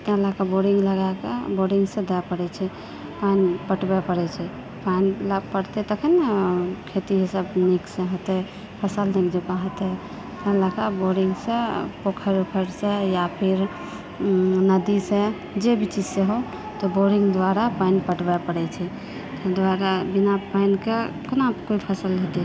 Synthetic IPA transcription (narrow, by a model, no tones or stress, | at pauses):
t̪ãlakaboɾiŋɡləɡakḛboɾiŋɡsẽd̪apəɽɛt͡ʃʰɛ | panpəʈbɛpəɽɛt͡ʃʰɛ | panilapəɽt̪ɛt̪əkʰənakʰet̪iɦisəbniksẽɦot̪ɛ | pʰəsəlnikd͡ʒepaɦt̪ɛ | t̪ãlakaboɾiŋɡsẽpokʰəɾukʰəɾsẽjapʰiɾ | nəd̪isẽ | d͡ʒebʱit͡ʃid͡ʒseɦo | t̪ɔboɾiŋɡd̪waɾapajnpəʈbɛpəɽɛt͡ʃʰɛ | t̪ɔd̪waɾabinapaɪnkekənakoipʰəsəlɦet̪ɛ